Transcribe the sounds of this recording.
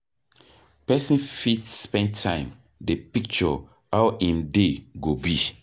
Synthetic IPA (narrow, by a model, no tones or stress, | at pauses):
pɛsĩnfitspɛ̃ntʰãɪ̃m | depik̚t͡ʃɔ | awĩndeɡobi